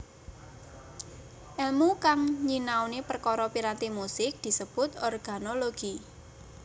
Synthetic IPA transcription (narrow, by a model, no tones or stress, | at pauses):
ʔɛlmukaŋɲinawnepərkɔɾɔpiɾat̪emusɪk̚d̪̥i̤səb̥ʊ̤t̪ɔrɡ̥a̤noloɡ̥i